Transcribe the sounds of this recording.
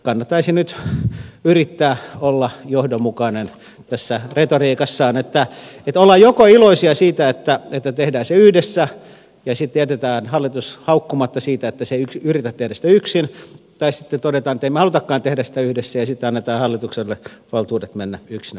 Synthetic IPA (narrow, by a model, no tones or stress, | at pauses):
kɑnːɑt̪ːɑisinyt̪ | yrit̪ːæːolːɑjohdomukɑnen | t̪æsːæret̪oriːkɑsːɑːnet̪ːæet̪olːɑjjokoiloisiɑsiːt̪æet̪ːæet̪ːæt̪ehdæːseyhdesːæ | jɑsit̪ːejæt̪et̪æːnhɑlːit̪ushɑukːumɑt̪ːɑsiːt̪æet̪ːæseiykyrit̪æt̪ːehdæsi̥tæyksint̪ɑisit̪ːet̪odet̪ɑːnet̪ːeimæhɑlut̪ɑkːɑːnt̪ehdæsi̥t̪æyhdesːæjɑsit̪ːeɑnːet̪ɑːnhɑlːit̪ukselːeʋɑlt̪uːdet̪menːæyksinæ